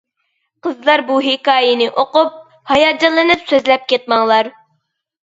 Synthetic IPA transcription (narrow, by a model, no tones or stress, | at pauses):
qəzlˠɑɾbuɦikɑːjinɨʔoqup̚ | hɑjɑd͡ʒɑlˠɨnɨpsøzlæp̚kʲet̪̚mɑŋlˠɑɾ